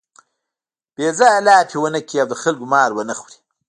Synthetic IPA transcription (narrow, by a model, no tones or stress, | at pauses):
b̥eːzajalɑːpʰewənəkʰiawd̪əxalɡumɑːɾwənəxwɾi̥